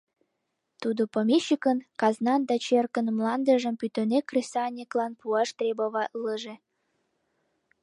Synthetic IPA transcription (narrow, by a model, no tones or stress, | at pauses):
t̪ud̪opomʲeɕːikənkɑznɑnd̪ɑt͡ɕerkənmlɑnd̪əʒəmpyt̪ə̆nekresɑːnʲeklɑnpuɑʃt̪rʲeboβɑʔləʒe